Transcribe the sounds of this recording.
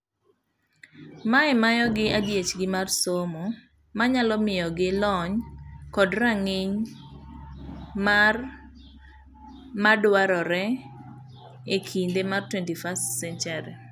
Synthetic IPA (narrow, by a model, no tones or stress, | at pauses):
maɛmajɔɡɪʔadjet͡ʃɡɪmarsomo | maɲalɔmɪjɔɡɪlɔɲkɔdraŋɪɲ | mar | madwaɾɔɾɛ | ekʰindemartwɛntifastsɛnt͡ʃaɾi